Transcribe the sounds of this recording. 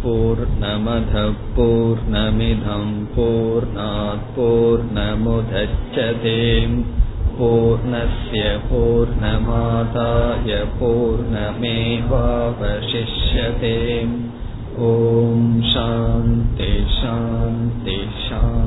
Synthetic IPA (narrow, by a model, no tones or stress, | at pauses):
puːɾɳɐmɐd̪ʱɐpuːɾɳɐmid̪ʱɐmpuːɾɳaːt̪̚puːɾɳɐmud̪ʱɐt͡ʃːɐt̪eːmpuːɾɳɐsjɐpuːɾɳɐmaːt̪aːjɐpuːɾɳɐmeːʋaːʋɐʃiʂjɐt̪eːm | oːmʃaːnt̪iʃaːnt̪i | ʃaː